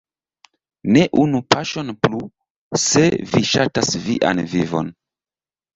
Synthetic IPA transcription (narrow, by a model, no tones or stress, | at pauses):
ne̞ʔunupaʃo̞nplu | se̞viʃatasvḭʔa̰nvivo̞̰n